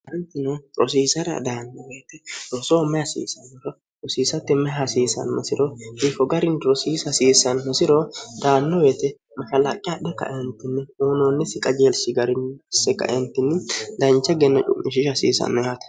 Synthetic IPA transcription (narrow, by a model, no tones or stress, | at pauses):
ɐnt̪ːɪnot̪ʼɾɔs̬iːsɐɾɐ̰d̪aːnːɔbeːt̪ɛɾɔsoːmɛɐsḭːsɐnːɔɾɔt̪ʼɔsiːsɐt̪ːɛmɛɦɐsiːsɐ̰nmɛsɪɾɔhifɔɡɐɾɪnɾɔsiːsɐsiːsɐnmɛsɪɾod̪aːnːɔbeːt̪ɛ | mɐʃɐla̰kʼɪjad̪ɛkːɐ̰ʔɛnt̪ːɪnːɛuːnoːnːɪsɪkʼɐd͡ʒeːlsɪɡɐɾɪnsːɛkːɐ̰ʔent̪ːɪnːɪd̪ɐnt͡ʃːɐɡɛnːɐt͡ʃʼʊ̰mːɪʃɪʃɐsḭːsɐ̰nːɔjat̪ɐ̥